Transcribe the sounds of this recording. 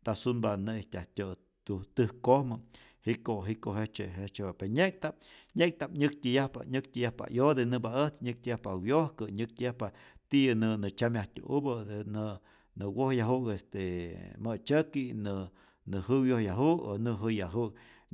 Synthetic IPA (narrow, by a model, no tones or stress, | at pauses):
t̪asunbaʔnɨiht̪ʲaht̪ʲo | t̪ut̪ɨhkohmɨ | hikoɦikoɦet͡ʃeɦet͡ʃeapeɲek̚t̪ap̚ɲek̚t̪apɲɨk̚t̪ʲɨjahpa̰ɲɨk̚t̪ʲɨjahpa̰jod̪enɨbaəht͡sɲɨk̚t̪ʲɨjahpawjohkɨɲɨk̚t̪ʲɨjahpat̪iʔɨnɨnɨt͡ʃamjaht̪ʲṵʔṵbɨnɨ | nɨwohjaɦukest̪emɨt͡ʃəkinɨ | nɨɦɨwjohjaɦuko̰nɨɦɨjaɦuk